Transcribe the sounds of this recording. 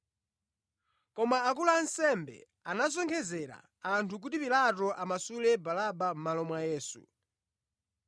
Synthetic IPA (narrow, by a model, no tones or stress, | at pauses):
kɔmaːk̬ulansɛmbɛ̰ | anazɔŋkʰɛzɛɾa̰ | antʰuk̬utipilatɔʔamasulɛbalaɓam̩malɔmwajɛːsṵ